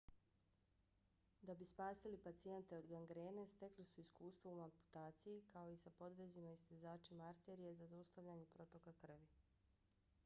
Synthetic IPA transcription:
d̪abispaːsilipat̪sije̞nt̪e̞o̞d̪ɡaŋɡɾeːne̞st̪e̞klisuiskuːst̪ʋoumampu̥t̪aːt̪sijikʰao̞isapo̞d̪ʋed͡ʑenoist̪izaːt͡ʃimaaɾt̪eːɾije̞zazaust̪aʋʎaɲepɾo̞t̪o̞kakr̩ʋi

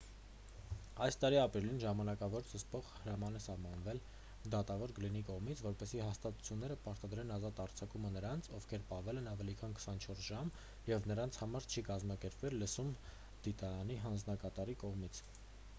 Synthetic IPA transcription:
ɑjst̪ɑɾiɑpɾilinʒɑmɑnɑkɑvɔɾt͡sʰəspɔʁhəɾɑmɑnɛsɑhmɑnvɛl | d̪ɑt̪ɑvɔɾɡəlinikɔʁmit͡sʰvɔɾpɛsiɦɑst̪ɑt̪u̥t͡sʰjunːɛɾəpɑɾt̪ɑd̪ɾɛnɑzɑt̪ɑɾt͡sʰɑkumənəɾɑnt͡sʰɔvkʰɛɾpɑhvɛlɛnɑvɛlikʰɑnkʰə̥sɑnt͡ʃʰɔɾsʒɑm | jɛvnəɾɑnt͡sʰhɑmɑɾt͡ʃʰikɑzmɑkɛɾpvɛlːəsum | d̪̥it̪ɑɾɑniɦɑnd͡znɑkɑt̪ɑɾikɔʁmit͡sʰ

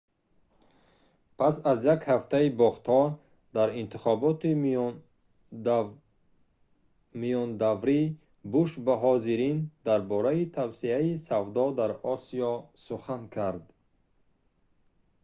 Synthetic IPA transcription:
pʰasazjakhaft̪ʰaibɔχt̪hɔ | d̪aɾint̪ʰiχɔbɔt̪i | mijɔnd̪avɾi | buʃbaɦɔziɾind̪aɾbɔɾait̪ʰavsiaisavd̪ɔd̪aɾɔsiɔsuχankʰaɾd̪

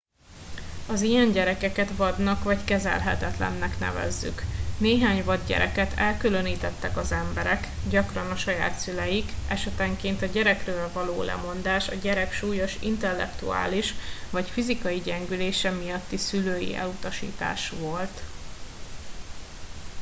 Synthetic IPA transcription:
ɒzijɛɲɟɛɾɛkɛkɛt̪ʋɒd̪nɒkvɒckɛzɛ̰lɦɛt̪ɛt̪lɛ̰nːɛknɛ̰vɛ̰zːy̰kneːɦaːɲvɒd̪ɟɛ̰ɾɛkɛt̪ʰɛlkylø̞niːt̪ɛt̪ːɛkɒzɛmbɛɾɛkɟɒkrɒnɒʃɒja̰ːt̪sylɛjikɛʃɛt̪ɛŋkeːnt̪ɒɟɛɾɛkrøːlvɒloːlʔɛ̰mo̞nd̪aːʃɒɟɛɾɛkʃuːjo̞ʃḭnt̪ɛlːɛ̰kt̪ṵa̰ːliʃvɒcfizikɒjiɟɛŋɡyleːʃɛmijɒt̪ːisyløːjḭʔɛ̰lut̪ɒʃḭːt̪a̰ːʃʋo̞lt̪

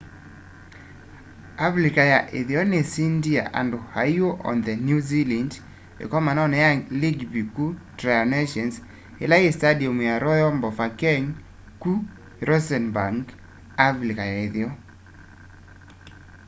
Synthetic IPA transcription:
afɾikajaʔeðjɔnesindia̰ʔa̰ndohajoʔɔ̰nðənjuziland | ḛkɔmanɔnɛjaliɡbikutɾajɔneʃɔns | ḛlajestadiɔmjaɾʔɔjɔmbɔfakɛŋ | ku | ɾɔsɛnbaŋɡ | afɾikajaeðjɔ

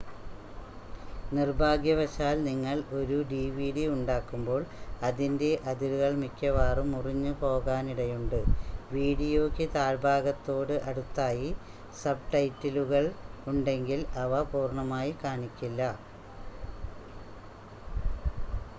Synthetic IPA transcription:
nirbʱaːɡjɐʋɐɕaːlniŋːɐɭo̞ɾuɖiːʋiːɽiuɳɖaːkːumbo̞ːɭɐðinde̞ʔɐðilɣɐɭmikʲːɐʋaːrumuriɲːɨpo̞ːɣaːniɽɐjuɳɖɨʋiːɽijo̞ːkʲːɨt̪aːɾbʱaːɡɐt̪ːo̞ːɽɨʔɐɽut̪ːaːji | sɐb̚ʈɐjtːiluɣɐɭuɳɖe̞ŋɡilɐʋɐpuːrɳɐmaːjikaːɳikʲːilːɐ

